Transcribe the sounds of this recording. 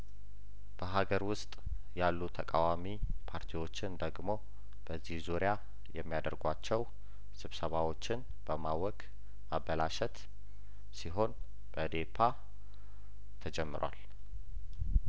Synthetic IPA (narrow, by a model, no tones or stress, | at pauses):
b̥əɦaɡəɾwʊst̪ʼ | jalːut̪ʰəkʼawamipʰaɾt̪ʰiwo̞t͡ʃːɪnd̪əɡmo̞ | b̥əzːihzuɾɪja | jɛmːijad̪əɾɡʷat͡ʃːɛw | sɨβsəβawo̞t͡ʃːɪn | b̥əmawɔkʼ | mabəlaʃɛt̪ | siɦo̞n | b̥əd̪epʰa | t̪ʰəd͡ʒɛmːɨ̰ɾwa̰l